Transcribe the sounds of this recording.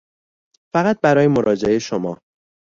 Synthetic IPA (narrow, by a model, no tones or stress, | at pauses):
fæɣæt̪̚bæɾɒːjemoɾʔɒːd͡ʒe̞ʔeʃomɒː